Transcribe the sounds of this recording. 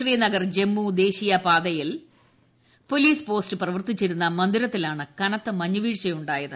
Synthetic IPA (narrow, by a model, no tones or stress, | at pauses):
riːjɐnɐɡɐrd͡ʑe̞mːud̪e̞ːɕijɐpaːd̪ɐjil | po̞liːspo̞ːstɨprɐʋɐrt̪it͡ɕːiɾunːɐmɐnd̪iɾɐt̪ːilaːɳɨkɐnɐt̪ːɨmɐɲːuʋiːɻt͡ɕɐjuɳɖaːjɐðɨ